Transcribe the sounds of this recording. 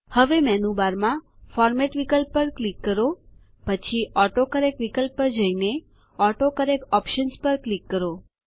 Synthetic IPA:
həʋemɛnubaɾmãfɔɾmɛʈʋikəlpːəɾklikːəɾo | pət͡ʃʰiʔɔʈokəɾekʋikəlpːəd͡ʒəine | ɔʈokəɾekɔpʃənspəɾklikːəɾo

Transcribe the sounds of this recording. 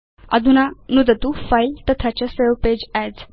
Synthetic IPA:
ə̰d̪unanud̪ət̪ufajlt̪ət̪ʰat͡ɕaselped͡ʑɛd͡z

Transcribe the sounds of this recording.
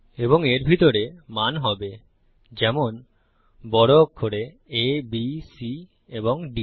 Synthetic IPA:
eboŋeɾbʱit̪oɾemanɦɔbe | d͡ʑɛmon | bɔɽokʰːoɾe | ebisi | eboŋɖi

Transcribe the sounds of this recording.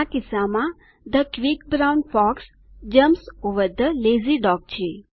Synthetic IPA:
akɪsamã | d̪əkʋik̚bɾawnfɔks | d͡ʒəmsuʋəd̪əleziɖɔk̚t͡ʃʰe

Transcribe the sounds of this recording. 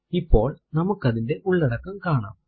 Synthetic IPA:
ipːo̞̰ːɭnɐmɐkːɐðinde̞ʔuɭːɐɽɐkːɐmkaːɳa̰ːm

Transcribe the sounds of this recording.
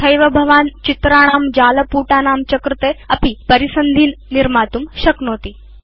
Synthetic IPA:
ɐjʋɐbʱɐʋaːnt͡ʃit̪ɾaːɽ̃aːmd͡ʒaːlɐpuːʈaːnaːmt͡ʃɐkɾut̪eːɐpipɐɾisɐnd̪ʱiːnːiɾmaːt̪umʃɐknoːt̪i

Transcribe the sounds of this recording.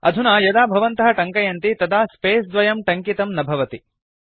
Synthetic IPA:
ɐ̰d̪ʱunaːjɐd̪aːbʱɐʋɐnt̪ɐɦɐʈɐŋkɐjɐnt̪it̪ɐd̪aːspeːsd̪ʋɐjɐmʈɐŋkit̪ɐmnɐbʱɐʋɐt̪i

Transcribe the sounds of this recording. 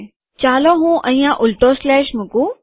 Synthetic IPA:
t͡ɕaːloɦũʔɐ̃ĩjãʔʊlʈoslɛːʃmũkũ

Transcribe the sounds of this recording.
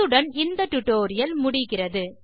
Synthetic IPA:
ɯɽɐnɪnd̪ɐʈːʊʈːoːɾɪjɐlmʊɽɪɣɪrɐðɯ

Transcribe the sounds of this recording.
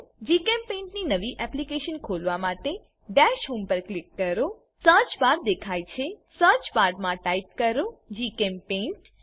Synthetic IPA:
d͡ʒikɛmpẽɳʈninəʋiʔɛplikeʃənkʰolʋamãʈe | ɖɛʃɦumpəɾklɪkːəɾo | sə̃t͡ʃʋaɾd̪ekʰajt͡ʃʰesə̃t͡ʃʋaɖmãʈajp̚kəɾod͡ʒikempẽɳʈ

